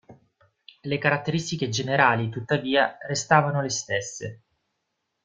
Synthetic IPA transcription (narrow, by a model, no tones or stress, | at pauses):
lekaɾat̪ːeɾist̪iked͡ʒeneɾaːlit̪ut̪ːaviːarest̪aːvanolest̪esːḛ